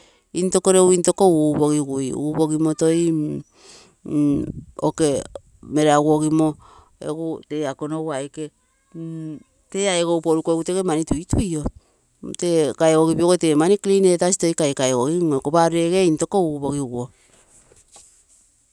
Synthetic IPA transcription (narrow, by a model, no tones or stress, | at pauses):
into̞koɾewinto̞kouboɡiɡujubo̞ɡimoto̞j | oke̞ | me̞ɾeaɡuoɡimo | ḛɡute̞akonowajke | teaeɡowpoɾukoeɡutekemanituitujo | tekaeɡoɡipioɡotemaniklinetasi̥to̞jkajkaeɡoɡiokopaɾeɡeinto̞kouboɡiɡuo